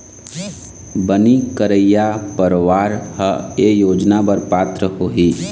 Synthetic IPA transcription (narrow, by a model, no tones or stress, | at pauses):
bənikəɾəjapəɾʋaːɾhəejoːd͡ʒnabəɾpaːt̪ɾəɦoɦiː